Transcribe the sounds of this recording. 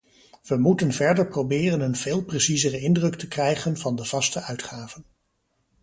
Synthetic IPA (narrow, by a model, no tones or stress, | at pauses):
ʋəmutənvɛɹdəɹprowbɪːrənənv̥eːlˠpresizərəɪndrɵktəkrɛjχənvɑndəv̥ɑstəʔœɥtχaːvən